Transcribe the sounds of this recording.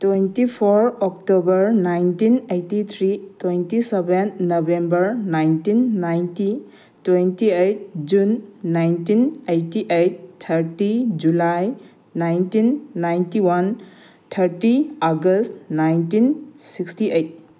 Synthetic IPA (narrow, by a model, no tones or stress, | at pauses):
twentipʰoɾɔk̚tobɐɾnajntinejtit̪ʰɾitwejntisebenːobembəɾnajntinːajnti | twentiejt̚d͡ʒunːajntinejtiʔejt̚tʰːɐɾtid͡ʒulaj | najntinːajntiwan | tʰɐɾtiaɡəstnajntinsikstiʔejt̚